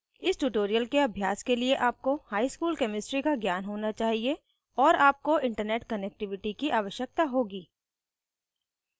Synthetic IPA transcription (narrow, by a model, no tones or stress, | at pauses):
ɪsʈuʈoːɾijəlkeɐbʱjaːskelieʔaːp̚kohaːiskuːlkɛːmɪsʈɾikaɡjaːnɦoːnat͡ʃaːɦie | ɔːɾaːp̚koɪ̃ɳʈəɾneːʈkənɛk̚ʈɪʋɪʈikiʔaːʋəʃjək̚t̪aɦoːɡiː